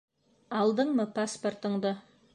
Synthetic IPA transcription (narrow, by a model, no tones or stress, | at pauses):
ɑlˠd̪əɴməpaspo̞rt̪əɴd̪ə